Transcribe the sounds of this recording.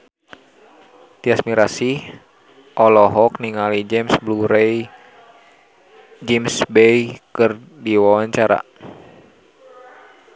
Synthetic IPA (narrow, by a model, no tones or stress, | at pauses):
t̪iasmiɾasi | ʔɔlɔɦɔkniŋalid͡ʒɛmsbluɾej | d͡ʒɛmsbɛjkɨr | diwawaɲt͡ʃaɾa̰